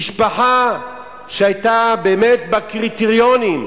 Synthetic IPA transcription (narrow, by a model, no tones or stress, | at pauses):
ʃpaħa | ʃehajtabeːmet̚bakʁit̪eʁjonim